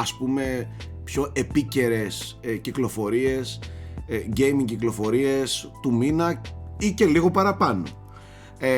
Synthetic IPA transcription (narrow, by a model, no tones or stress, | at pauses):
ɐspume̞ | pço̞ʔe̞pice̞ɾe̞s | ciklo̞fo̞ɾie̞s | ɟejmiŋciklo̞fo̞ɾie̞st̪uminɐice̞liɣo̞pɐɾɐpɐno̞̰